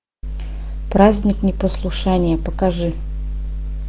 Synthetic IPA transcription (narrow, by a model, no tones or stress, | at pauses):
pɾazʲnʲɪknʲɪpəslˠʊʂanʲɪjəpəkaʐɨ